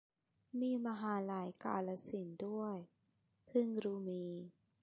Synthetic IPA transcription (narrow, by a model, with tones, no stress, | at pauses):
miː˧ma˧ɦaː˩˦laː˩˦jka̰ː˧la˧si˨˩˦ndu˥˩əj | pʰɯ˥˩ŋɾuː˧miː˧